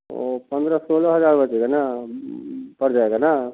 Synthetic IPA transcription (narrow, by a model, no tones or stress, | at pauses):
opɐnd̪ɐɾɐsoːlɐɦɐd͡ʒaːɾbɐt̪ːiɡɐna | pɐɾd͡ʒajɡɐna